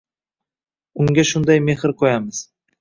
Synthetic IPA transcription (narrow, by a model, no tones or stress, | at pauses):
ʊŋɡʲaʃʊnd̪ɑjmehɪɾqʰojamɨz̥